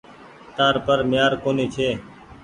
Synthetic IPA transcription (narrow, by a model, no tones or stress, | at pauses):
t̪aːɾpəɾmɪjaːɾkoːniːt͡ʃʰeː